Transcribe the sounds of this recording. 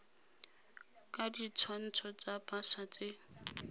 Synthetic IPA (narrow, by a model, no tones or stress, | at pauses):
kʼadit͡sʰwan̩t͡sʰɔt͡sapʰʼasat͡sɪ